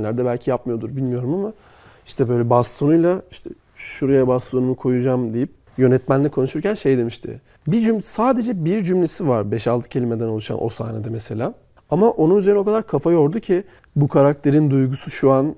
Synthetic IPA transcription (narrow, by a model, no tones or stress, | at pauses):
lʲæɾd̪ɛbælʲcʰijap̚mɯjo̞d̪uɾbilʲmijo̞ɾumama | i̥ʃt̪ʰɛbø̞jlʲɛbast̪ʰonujlˠaiʃt̪ʰɛ | ʃuɾajabast̪ʰo̞numukʰo̞jud͡ʒamd̪ejip̚ | jø̞nɛt̪mænlʲikʰo̞nuʃuɾcænʃe̞jd̪e̞miʃt̪ʰɪ̰ | bid͡ʒymsaːd̪e̞d͡ʒɛbiɾd͡ʒymlʲesivaɾbɛʃalˠt̪ʰɯ̥cʰeimed̪æno̞lˠuʃa̰nʔo̞̰sa̰ːned̪ɛmese̞lʲaː | amaʔo̞nunyze̞ɾno̞kʰad̪aɾkʰafajo̞ɾd̪ucʰi | bukʰaɾak̚t̪ʰe̞ɾind̪ujɡusuʃuan